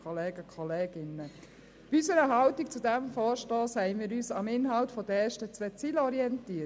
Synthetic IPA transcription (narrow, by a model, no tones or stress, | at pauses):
ɔleːɡ̥əkʰɔleːɡ̥ɪnːə | b̥iysəɾəɦɑltik̚t͡sud̪æmfɔːɾʃtoːshɛɪnmiːɾyːsɑmɪnɦɑltfɔd̥̪əɛːɾʃtət͡sʋɛt͡siːlɔɾiɛntiːə